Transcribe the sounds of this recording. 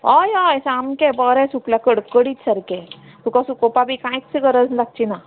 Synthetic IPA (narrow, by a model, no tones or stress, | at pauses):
ɔjɔjsamkebɔɾẽsuklakəɽkəɽit̪səɾke | t̪ukasukopabikãjksiɡəɾəd͡zlak̚t͡ʃina